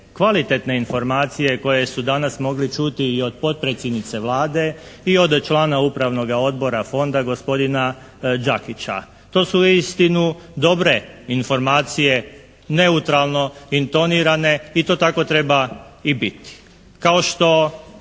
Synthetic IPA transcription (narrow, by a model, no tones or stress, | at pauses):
kʋalit̪e̞t̪ne̞info̞ɾmaːt̪sije̞ko̞je̞sud̪anasmo̞ɡlit͡ʃut̪iːo̞d̪po̞t̪̚pɾet̪sjed̪nit̪se̞ʋlaːd̪e̞io̞d̪t͡ʃlˠaːnaupɾaʋno̞ɡao̞d̪bo̞ɾafo̞nd̪aɡo̞spo̞d̪ina | d͡ʒakit͡ɕa̰ | t̪o̞ːsuist̪inud̪o̞bɾe̞info̞ɾmaːt̪sije̞ | ne̞ut̪ɾalˠno̞int̪o̞niɾane̞it̪o̞ːt̪ako̞t̪ɾe̞baibit̪i̥ | kao̞ʃt̪o̞